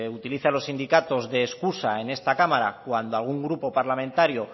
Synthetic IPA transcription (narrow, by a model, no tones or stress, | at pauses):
ut̪iliθalo̞sind̪ikat̪o̞zðe̞ːskusae̞ne̞st̪akamaɾa̰kwand̪oalɣ̞uŋɡɾupo̞paɾlamẽ̞nt̪aɾjo